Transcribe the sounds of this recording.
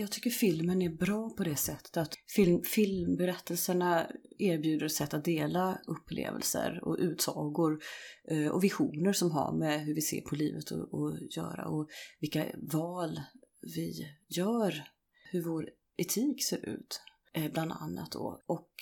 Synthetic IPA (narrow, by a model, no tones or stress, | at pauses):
jɑɡt̪ʰʏkːəɾfɪlmənæɾbɾɑːpʰɔd̪ɛsɛt̪ʰːə̥t̪at̪fɪlmfɪlmbɛɾɛt̪ʰːəlsəɳaeːɾbjʉ̟ːd̪əɾɛt̪sɛt̪ːat̪̚d̪eːlaɵpʰːlḛːvə̰lsə̰ɾɔ̰ʔʉ̟ːt̪sɑːɡʊɾ | ɔ̰vɪɧuːnəɾʂɔmɦa̰ɾmɛɦɵɾvɪsḛːɾpʰɔliːvət̪ʰɔ̰ɔjœ̰ːɾa̰ɔvɪlkːavɑːlvɪjœːɾ | hɵɾvoɾ | ɛt̪ʰiːkseːɾʉ̟ːt̪ | bland̪a̰nːa̰t̪̚d̪o̰ːʔɔk